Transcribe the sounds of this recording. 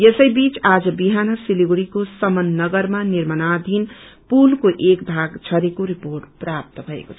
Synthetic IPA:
jesʌjbit͡sad͡zʌbiɦanʌsiliɡɽikosʌmʌnːʌɡʌɾmaniɾmənad̪ʱinpulkoʔekbʱaɡt͡sʰʌɾekoɾipoɾʈprap̚t̪ʌbʱʌḛkot͡sʰʌ

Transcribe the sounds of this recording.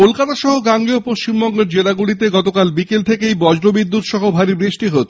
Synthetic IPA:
kolkat̪aʃɔɦoɡaŋɡiopoʃt͡ɕimbɔŋɡeɾd͡ʑelaɡuɽit̪̬eɡɔt̪okalbikelt̪ʰekejbɔd͡ʑɾobid̪ːut̪ʃɔɦobʱaɾibɾiʃʈiɦot̪ʰ

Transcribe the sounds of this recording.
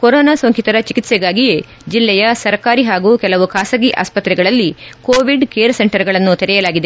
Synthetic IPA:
kɔɾoːnaːsɐŋkit̪ɐɾɐt͡ʃikit̪sɛɡaːɡije̞ | d͡ʒilːɛjɐsɐɾkaːɾiɦaːɡuːkɛlɐʋukʰaːsɐɡiʔa̰ːspɐt̪ɾɛɡɐɭɐlːikoːʋiɖkeːɾse̞ɳʈɐɾɡɐɭɐnːut̪ɛɾɛjɐlaːɡid̪e̞

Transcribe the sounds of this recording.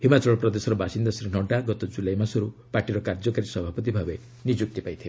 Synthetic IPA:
himat͡ʃɔɭɔpɾɔd̪esɔɾɔbʱasind̪asɾinɔɖaɡɔt̪ɔd͡ʒulajmasɔɾupaɾʈiɾɔkaɾd͡ʒɔkaɾisɔbʱapɔt̪ibʱabe | nid͡ʒuk̚t̪ipajt̪ʰibe

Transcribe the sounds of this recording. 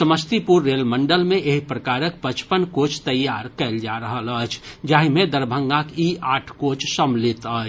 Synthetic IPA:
səməst̪ipuɾːeːlmə̃ɳɖəlmẽʔeɦipɾəkaːɾək̚pət͡ʃpənkoːt͡ʃʰt̪əjːaːɾkɛɪld͡ʒaɾəɦələt͡ʃʰd͡ʒaːɦimẽd̪əɾbʱə̃ŋɡakiaːʈʰkoːt͡ʃʰsəmlɪt̪əːt͡ʃʰ

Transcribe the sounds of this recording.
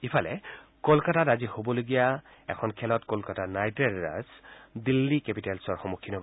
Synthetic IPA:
ipʰalɛ̰kolkatatazihobɔloɡija | ɛ̰kʰɔnkʰɛlɔtkolkatanajtɹɛlɹa̰sdilːikepitɛlsɔɹxɔmukʰːinɔb

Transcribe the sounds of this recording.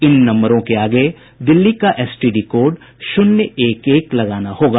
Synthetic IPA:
ɪnːɐ̃mbəɾõkeaːɡe | d̪ɪlːikaʔɛːsʈiːɖikoːɾɖ | ʃʊnjəeːkeːklɐɡaːnahoːɡaː

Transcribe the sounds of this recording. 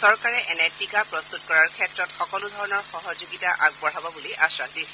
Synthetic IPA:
sɔɹkaɹɛʔɛnɛtikapɹɔst̪utkɔɹaɹkʰɛtɹɔtxɔkɔlʊdʱɔɹɔnɔɹxɔɦɔzoɡitaʔaɡ̚bɔɹ̤abɔbuliʔasɹadis

